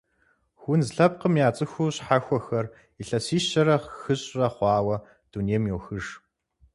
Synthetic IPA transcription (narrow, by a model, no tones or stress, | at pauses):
xʷʊnzɬɐp̚qəmjaːt͡sʼɨxʷuːɕħaxʷɔxɐr | iɬɐsiːɕɐɾɐxɨɕʼrɐχʷɑːwɐ | d̥unijɛmjoːwxɨʂ